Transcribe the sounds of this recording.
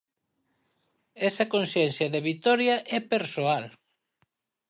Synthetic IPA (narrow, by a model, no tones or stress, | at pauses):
ɛsɐkonsjɛn̟θjɐðeβit̪ɔɾjɐʔɛpeɾsoal